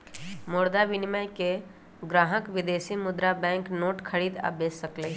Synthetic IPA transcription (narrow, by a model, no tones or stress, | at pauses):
moːɾd̪aʋɪnɪmajke | ɡɾaːɦəkʋɪd̪eːsimʊd̪ɾabɛ̃ːŋknoːʈkʰəɾiːd̪a̰ːbeːsəkle